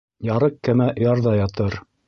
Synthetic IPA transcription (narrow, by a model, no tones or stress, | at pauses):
jɑɾɤqkɘmæjɑɾðɑjɑt̪ɤɾ